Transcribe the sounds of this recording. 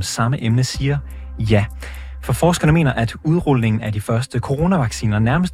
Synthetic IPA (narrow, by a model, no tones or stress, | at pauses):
nsɑ̈məʔemnəsiːɐ | jæ | fɒ̽fɒːsɡ̥ɐnəme̝̰ːnɐʔæd̥uð̞ˠʁɔlne̝ŋn̩æɐd̥ifɶɐsd̥əkʰo̝ʁo̝ːnæʋɑ̈ɡ̥sḭːnɐnæɐməsd̥